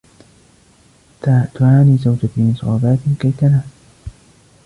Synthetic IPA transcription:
t̪at̪ʊʕaːniːzawd͡ʒat̪iʔɨsˤɑːbaːt̪ɪnkajt̪anaː

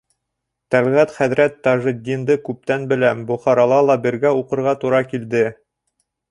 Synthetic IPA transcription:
t̪ælʁæt̪χæðɾæt̪ːɑʒɤ̆d̪ʲːind̪ɤkʉp̚t̪ænbɘ̆læbŏχɑɾɑlˠɑlˠɑbɘ̆ɾɡæuqɤ̆ɾʁɑt̪uɾɑkild̪ɘ

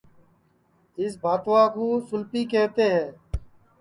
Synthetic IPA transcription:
ɪs̬bʱaːt̪ʋãːkoːsʊlpiːkɛːɦt̪eːɦɛ̃ː

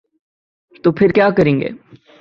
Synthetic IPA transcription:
t̪oːpʰɪɾkjaːkəɾẽːŋɡḛː

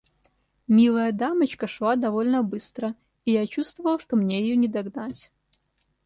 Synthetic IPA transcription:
mʲilˠəjɐd̪amɐt͡ɕkɐʂlˠad̪avɔlʲnəbɨst̪ɾə | ijat͡ɕust̪vɐvɐlˠʂt̪ɔmnʲejɛjɔnʲɪd̪aɡnat͡sʲ

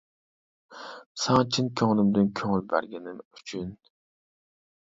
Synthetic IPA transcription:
sɑŋt͡ʃʰinkʲʰøŋlˠɪmd̪ɪnkʲʰøŋylbæ̰ɾɡʲɛnɪmyt͡ʃʰyn

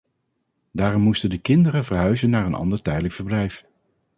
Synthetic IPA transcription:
daːrɔmːustəndəkɪndəɾəvəɹɦœɥzənːaːɹənɑ̰ndəɹtɛjdələkfəɹblɛjf

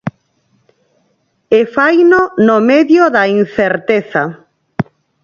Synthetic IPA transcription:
efajnonomeðjoðain̟θeɾt̪eθa

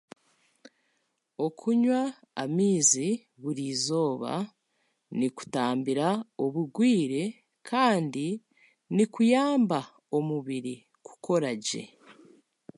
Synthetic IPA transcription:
o̞kʰuɲwa̰ː | miːzi | βuɾizo̞ːβa̰ | niku̥taːmbiɾao̞βuɡwiːɾe̞ | kʰaːndi | nikujaːmba | o̞muβiɾi | ku̥ko̞ɾaɟe̞̰

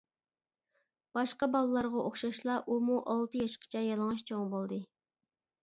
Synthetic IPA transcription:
b̥ɑʃqɑbɑlˠɨlˠɑɾʁɑʔoχʃɑʃlˠɑʔumuʔɑlˠt̪ɨjɑʃqʰə̥t͡ʃʰɛjɑlˠəŋɑʃt͡ʃʰoŋbolˠd̪ɨ

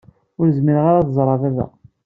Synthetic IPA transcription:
ʊɾzmiɾʁaɾaθzˤɾˤɑðæðæ̰

